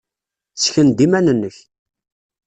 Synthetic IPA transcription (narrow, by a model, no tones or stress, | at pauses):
t͡sːçənd̪imænənːəç